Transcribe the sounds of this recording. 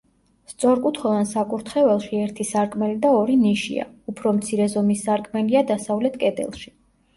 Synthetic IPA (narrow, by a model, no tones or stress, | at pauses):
st̪sʼɔɾkʼut̪ʰχɛlˠansakʼuɾt̪ʰχɛvɛlˠʃiɛɾt̪ʰisaɾkʼmɛlid̪aɔɾiniʃḭa̰upʰɾɔmt̪sʰiɾɛzɔmisːaɾkʼmɛliad̪asavlɛt̪ʰkʼɛd̪ɛ̰lˠʃi̥